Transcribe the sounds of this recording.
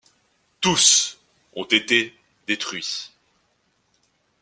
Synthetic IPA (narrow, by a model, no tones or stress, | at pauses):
t̪us | ɔ̰̃t̪et̪e | d̪et̪χɥi